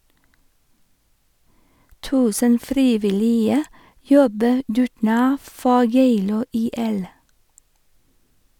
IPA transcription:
ˈtʉːsən ˈfɾiːʋɪˌliːə ˈjɔbə ˈdʉːʈˌɳɑː ˈfɔ ˈjeɪluː ˌiːˈɛl

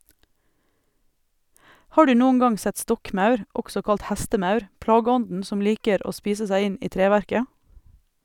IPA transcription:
ˈhɑː ˈɖʉː ˈnuːən ˈɡɑŋ ˈsɛt ˈstɔkˌmɑʉɾ ˈɔɡsɔ ˈkɑlt ˈhæstəˌmɑʉɾ ˈplɑːɡəˌɔndn̩ ˈsɔm ˈliːkəɾ ˈoː ˈspiːsə ˈsæɪ ˈɪn ˈiː ˈtɾeːʋæɾkə

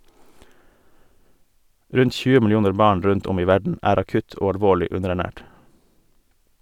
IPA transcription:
ˈɾʉnt ˈc͡çʉːə mɪlɪˈuːnəɾ ˈbɑːɳ ˈɾʉnt ˈɔm ˈiː ˈʋæɖɳ̩ ˈæːɾ ɑˈkʉt ˈoː ɑlˈʋoːɭɪ ˈʉnəɾæˌɳæːʈ

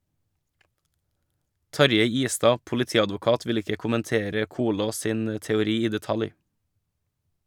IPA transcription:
ˈtɑɾjeɪ ˈiːˌstɑː pʊlɪˈtiːɑdʋʊˌkɑːt ˈʋɪl ˈɪkə kʊmənˈteːɾə ˈkuːloːs ˈsiːn ə tɛʊˈɾiː ˈiː dɛˈtɑlj

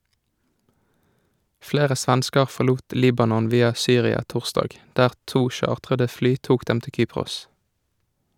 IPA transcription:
ˈfleːʁə ˈsʋænskəʁ ˌfɔʁˈluːt ˈliːbɑnɔn ˈʋiːɑ ˈsyːʁɪɑ ˈtʊʁˌstɑːɡ ˈdæːʁ ˈtuː ˈʃɑːʁtʁədə ˈflyː ˈtuːk ˈdɛm ˈtɪl ˈkyːpʁʊs

